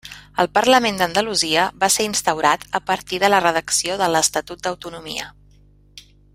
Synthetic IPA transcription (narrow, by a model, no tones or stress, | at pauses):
əlˠpəɾləmend̪ənd̪əluziəβaseɾinst̪əwɾat̪əpəɾt̪iðələrəðəksioðələst̪ət̪ut̪̚d̪əwt̪unumḭə̰